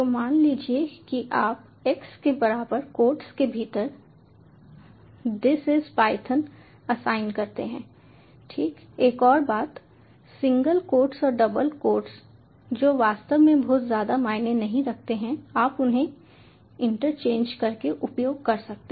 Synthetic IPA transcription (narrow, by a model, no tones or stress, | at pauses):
t̪omaːnliːd͡ʒiekiʔaːp | ɛkskebɐɾaːbəɾkoːɾʈskebʱiːt̪əɾ | d̪ɪsɪspaːɪt̪ʰən | ɐsaːɪnkɐɾt̪eɦɛ̃ː | ʈʰiːk | eːkɔːɾbaːt̪ | sɪ̃ŋɡəlkoːɾʈsɔːɾɖɐbəlkoːɾʈs | d͡ʒoːʋaːst̪əʋmẽbɔːt̪zjaːd̪amaːɪnenɐɦĩɾɐk̚t̪eɦɛ̃aːpʊnɦẽ | ɪ̃ɳʈəɾt͡ʃẽːnd͡ʒkɐɾkeʔʊpjoːɡ̚kɐɾsɐk̚t̪e